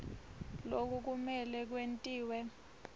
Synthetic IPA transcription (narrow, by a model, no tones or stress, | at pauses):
lok̬uk̬umɛlɛk̬wentʼiːwɛ